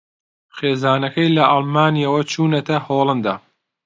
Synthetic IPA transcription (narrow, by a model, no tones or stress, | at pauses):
xeːzaːnɐkɐjlɐʔɐlmaːnijɐwɐt͡ʃʰuːnɐt̪ʰɐhoːlˠɐnd̪a̰ː